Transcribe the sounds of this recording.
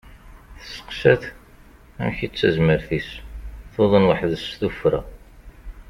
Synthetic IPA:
θə̥sə̥qsæθ | æ̰mçit͡sːæzməɾθisθoðˤənwəħðsθufɾa̰

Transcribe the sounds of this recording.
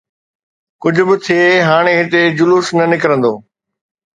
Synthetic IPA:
kʊd͡ʑʱʊbɪt̪ʰieɦaːɽ̃eɦɪt̪ed͡ʑʊluːsnɐnɪkəɾə̃nd̪oː

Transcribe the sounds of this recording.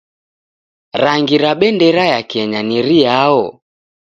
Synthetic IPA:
ɾaŋɡiɾaɓɛndɛɾajakɛɲaniɾiaɔ

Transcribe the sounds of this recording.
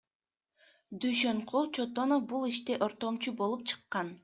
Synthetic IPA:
d̪yjʃøɴqʰulˠt͡ʃʰot̪onofbulˠiʃt̪eʔoɾt̪o̞mt͡ʃubo̞lˠup̚t͡ʃʰɯ̥qːɑn

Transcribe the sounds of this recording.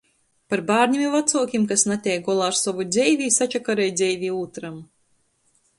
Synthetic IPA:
paɾbaːɾnɲʲimʲivat̪suɔkʲimkasnat̪ʲɛjɡɔlˠaːɾsɔvud̪zʲɛjvʲiːsat͡ʃakaɾɛjd̪zʲɛjvʲiːuːt̪ɾam

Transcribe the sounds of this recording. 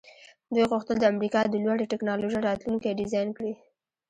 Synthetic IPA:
d̪ujɣʊxt̪əld̪əamɾikɑd̪əlwaɽeʈɪknɑloʒajɾɑt̪lunkaɖɪzɑjnkɽi

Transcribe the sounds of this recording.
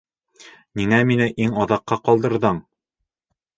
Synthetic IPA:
niŋæminɘʔiŋɒðɑqːɑqɑlˠd̪ɤ̆ɾðɤɴ

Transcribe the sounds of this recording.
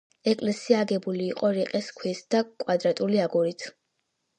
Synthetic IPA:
ɛkʼlɛsiaːɡɛbuliːqʼɔɾiqʼɛskʰwisd̪̥akʼwad̪ɾat̪ʼuliaɡuɾit̪ʰ

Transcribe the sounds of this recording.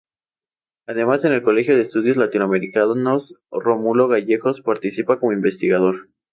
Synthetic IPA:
aðe̞mase̞ne̞lko̞le̞xjo̞ð̞eːst̪uðjo̞zlat̪inwame̞ɾikanosromulo̞ɣaʝe̞xo̞spaɾt̪isipako̞moimbe̞st̪iɣaðo̞ɾ

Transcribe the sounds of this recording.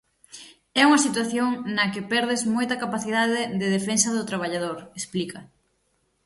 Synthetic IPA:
ɛuŋɐsit̪waθjoŋnɐkepɛɾð̞ezmojt̪ɐkapaθiðaðɪðeðefensɐðʊt̪ɾaβ̞aʎaðoɾesplikɐ

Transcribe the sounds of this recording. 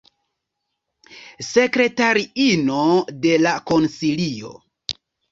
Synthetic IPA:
se̞kɾe̞taɾiinode̞lako̞nsilio̞̰

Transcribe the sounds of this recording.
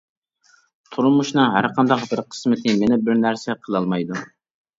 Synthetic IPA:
t̪ʰuɾmuʃnɨŋɦæ̰ɾqʰɑnd̪ɑqbɪɾqʰə̥smɪt̪ʰɪmenɪbɪɾnæɾsɛqʰəlˠɑlˠmɑjd̪u

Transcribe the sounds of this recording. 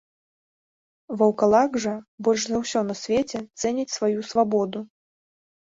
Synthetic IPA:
vɐwkalˠaɡʐɐbɔlʲʂzɐwsʲɔnɐsʲvʲet͡sʲɛt̪sɛnʲit͡sʲsvajusvabɔd̪u

